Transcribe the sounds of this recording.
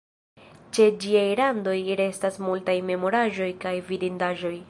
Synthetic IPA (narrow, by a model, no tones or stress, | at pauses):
t͡ʃe̞d͡ʒiajlando̞jɾe̞stasmultajme̞mo̞ɾaʒo̞jkajvidindaʒo̞j